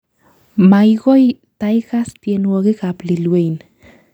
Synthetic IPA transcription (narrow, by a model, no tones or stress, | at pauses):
majɡoj | t̪ajkaspjenwoɣekaplilwejn